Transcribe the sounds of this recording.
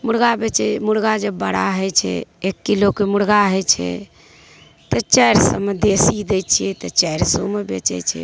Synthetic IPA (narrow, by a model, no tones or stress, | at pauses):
muɽɡabet͡ʃɛmuɽɡad͡ʒəbːəɽa̰ɦəjt͡ʃʰɛ̰ekːilokːemuɽɡaɦəjt͡ʃʰɛ̰ | t̪ət͡ʃɛjɾsəmed̪esid̪ɛt͡ʃʰijɛt̪ɔt͡ʃɛjɾso̰mebḛt͡ʃɛ̰t͡ʃʰɛ̰